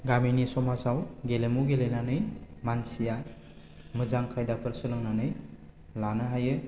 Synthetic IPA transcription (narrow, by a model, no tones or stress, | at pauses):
ɡaminisɔmasawɡelemuɡelenanɯjmansija | mɯzaŋkʰajdapʰɯɾsɯlɯŋnanɯj | lanɯɦajɯ